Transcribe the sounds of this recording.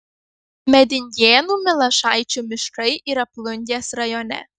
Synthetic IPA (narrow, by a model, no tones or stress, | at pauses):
mʲɛd̪ʲɪnʲjeːnuːmʲɪlˠɐʃɑˑɪt͡ʃʲuːmʲɪʃkɐɪʔiːɾɐplˠʊnʲd̪ʲeːsɾɐjɔnʲɛ̰